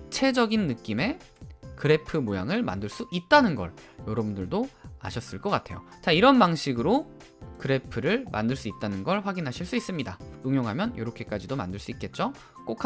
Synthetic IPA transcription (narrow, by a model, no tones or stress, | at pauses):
t͡ɕʰe̞d͡ʑʌɡinːɯk͈ime̞ | kɯɾe̞pʰɯmojaŋɯɭma̰ndɯɭs͈uʔit̚t͈anɯnɡʌ̰ɭjʌɾʌbundɯɭdoa̰ɕʰʌs͈ɯɭk͈ʌk͈atʰe̞jo̰t͡ɕaiɾʌnbaŋɕʰiɡɯɾo | kɯɾe̞pʰɯɾɯɭmʔa̰ndɯɭs͈uit̚t͈anɯnɡʌɭɸwaɡinɦaɕʰiɭs͈uis͈ɯmɲidaɯŋjoŋɦamjʌnjʌɾʌkʰe̞k͈ad͡ʑidoma̰ndɯɭs͈uit̚k͈e̞t̚t͡ɕ͈o | k͈okʰ